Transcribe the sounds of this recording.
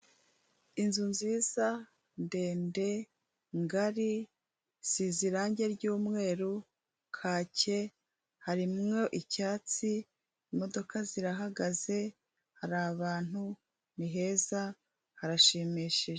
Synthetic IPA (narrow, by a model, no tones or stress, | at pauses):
inzunziːz̥a | nde̞ːnde̞ | ŋɡaɾi | z̥iziɾaːɲɟe̞ɾɟuːmŋe̞ːɾu | kʰaːce̞ | haɾimŋo̞ʔicaːt͡siː | mo̞do̞kaziɾaɦaɡaze̞ | haɾaβaːn̥hu | niɦe̞ːza | haɾaʃemiʃiʒe